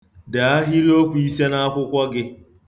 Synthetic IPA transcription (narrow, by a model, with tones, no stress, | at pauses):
da˨a˦ɦi˦ɾi˦o˦kʷu˨i˦se˦na˦a˦kʷʊ˦kʷɔ˦ɡɪ˦